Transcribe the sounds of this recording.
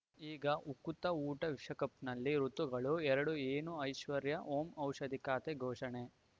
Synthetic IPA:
iːɡɐʔukut̪ɐuːʈɐʋiʂɐkɐpnɐlːiɾut̪uɡɐɭuɛɾɐɽueːnuɐjʃʋɐɾjɐʔoːmɐwʃɐd̪ʱikaːt̪eɡʱɔːʂɐɳe

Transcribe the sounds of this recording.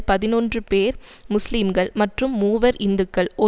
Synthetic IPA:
pɐðɪnɔndrɯpeːɾ | mʊslimɡɐɭmɐʈrɯmːuːʋɐɾɪnd̪ɯkːɐɭʔɔ

